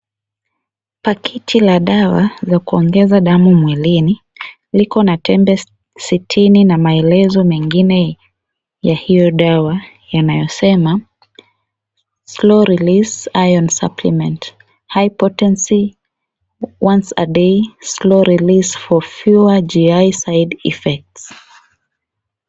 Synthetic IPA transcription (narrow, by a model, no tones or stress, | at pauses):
pakʰɛtʰilaɗawazakuɔŋɡɛzaɗamumwɛlini | likɔnatʰɛmbɛ | sitʰininamaɛlɛzɔmɛŋɡinɛ | jahijɔɗawa | janajɔsɛma | slɔɾilisajɔnsa̰pʰlimɛ̃nt | hajpɔtɛnsi | wansa̰ɗeslɔɾilisfɔfjuad͡ʒiajsajdḭfɛk̚ts